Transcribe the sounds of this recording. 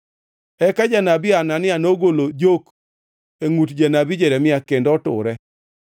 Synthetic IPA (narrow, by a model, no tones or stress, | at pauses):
ɛkad͡ʒanabɪananɪanoɡolod͡ʒok | eŋutd͡ʒanabid͡ʒeɾɛmɪakendɔtʊ̰ɾɛ